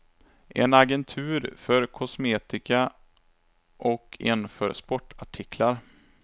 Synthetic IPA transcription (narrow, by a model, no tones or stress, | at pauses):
ʔɛ̰naɡɛnt̪ʰʉ̟ːɾfœɾkʰɔsmeːt̪ɪka | ʔɔkʰɪ̰nfœ̰ːɾspɔʈʰːaʈʰɪkʰlaɾ